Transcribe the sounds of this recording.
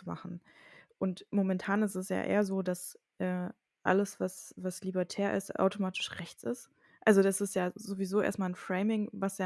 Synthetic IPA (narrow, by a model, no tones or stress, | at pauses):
t͡suma̰χn̩ | ʔʊntmomɛntʰaːnɪstɛsja̰ːʔḛːɐzoːdasʔɛː | ʔa̰ləsv̥asv̥aslibɛɐtʰɛːɐʔɪ̰sta̰ʊtomaːtʰɪ̥ʃʁɛçt͡sɪst | ʔalzodasɪstjaːzovizoːʔḛːɐstmaːlnfʁ̥ɛɪmɪŋvasjaː